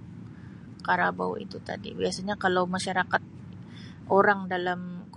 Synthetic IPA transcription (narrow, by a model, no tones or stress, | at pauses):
kaɾaba̰w̰ḭt̪ut̪a̰dḭbiasaɲakalawmaʃaɾakat̪̚ | ʔoɾaŋdalamk